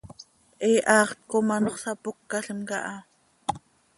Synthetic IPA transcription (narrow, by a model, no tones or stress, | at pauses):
ʔɛːʔɑːχt̪̚komɑnoχsɑpokːɑɬəmkɑ̰ʔɑ